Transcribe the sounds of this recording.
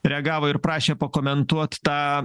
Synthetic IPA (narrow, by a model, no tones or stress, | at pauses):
ɾʲɛɐɡɑːʋoːɪɾpɾɑːʃʲeːpɐkoːmʲɛnt̪uɔt̪ʲt̪ɑː